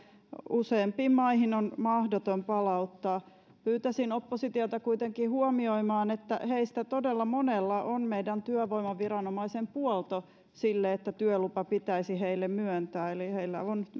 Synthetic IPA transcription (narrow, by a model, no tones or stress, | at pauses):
useːmpiːmmɑihinonmɑhdot̪ompɑlɑut̪ːɑː | pyːt̪æsinopːosit̪iot̪ɑkuit̪eŋkihuomioimɑːnet̪ːæ̰heist̪æt̪odelːɑmonelːɑʔonmeidænt̪yøʋoimɑʋirɑnomɑisempuɔlt̪o | silːeet̪ːæt̪yœlupɑpit̪æisiheilːemmyønt̪æːeliheilːæ̰on